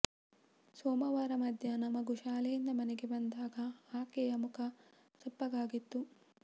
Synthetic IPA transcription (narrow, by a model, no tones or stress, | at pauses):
soːmɐʋaːɾɐmɐd̪ʱjɐnɐmːɐɡuʃaːlejind̪ɐmɐnɛɡebɐnd̪aːɡɐaːkɛjɐmukʰɐ | sɐpːɐɡaːɡit̪ːu